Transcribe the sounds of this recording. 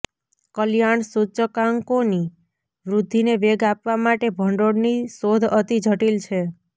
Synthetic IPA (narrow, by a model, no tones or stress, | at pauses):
kəljaɳsut͡ʃəkaŋkoni | ʋɾud̪ʱːineʋeɡapʋamaʈebʱəɳɖoɽnisod̪ʱət̪id͡ʒʱəʈilt͡ʃʰe